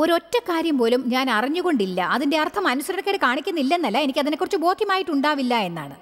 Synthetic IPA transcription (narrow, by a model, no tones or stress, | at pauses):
o̞ɾo̞tːɐkːaːɾjɐmpo̞ːlumɲaːnɐriɲːuɣo̞ɳɖilːɐʔɐðinde̞ɐrt̪ʰɐmɐnusɐɾɐɐkːeɽɨkaːɳikʲːunːilːɐenːɐlːɐe̞nikʲːɨɐðinekːurɐt͡ɕːɨbo̞ːd̪ʱjɐmaːjiʈːuɳɖaːʋilːɐe̞nːa̰ːɳɨ